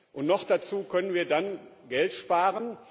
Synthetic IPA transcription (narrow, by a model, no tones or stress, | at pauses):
ʔʊntnɔχd̥at͡suːkʰœnənviːɐdanɡɛltʃpaːʁən